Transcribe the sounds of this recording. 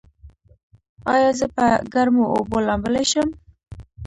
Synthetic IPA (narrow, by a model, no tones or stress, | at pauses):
ɑjɑzəpəɡaɾmoʔo̰bolɑmbəleʃəm